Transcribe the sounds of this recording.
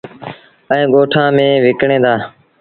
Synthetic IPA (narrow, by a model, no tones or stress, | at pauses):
əẽːɠoːʈʰãːmẽːʋɪkɳẽːd̪aː